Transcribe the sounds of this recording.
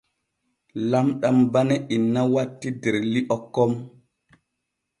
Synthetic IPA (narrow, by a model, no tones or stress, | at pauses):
lamɗambanɛʔinːawatːideɾliʔɔkːɔm